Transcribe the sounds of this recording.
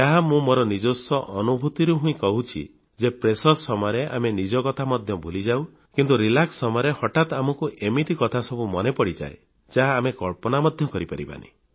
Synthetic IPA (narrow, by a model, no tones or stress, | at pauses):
aɦamũmoɾɔnid͡ʒosɔʔɔnubʱut̪iɾuɦũĩkɔɦut͡ʃʰḭ | d͡ʒepɾesɔɾsɔmɔjɾeʔa̰menid͡ʒɔkɔt̪ʰamɔd̪ʱjɔbʱulid͡ʒaw | kint̪uɾilaksːɔmɔjɔɾehɔʈat̪amɔkuʔemit̪ikɔt̪ʰasɔbumɔnepɔɽid͡ʒa̰e | d͡ʒaɦaːmekɔɭpɔnamɔd̪ʱjɔkɔɾipa̰ɾiba̰nḭ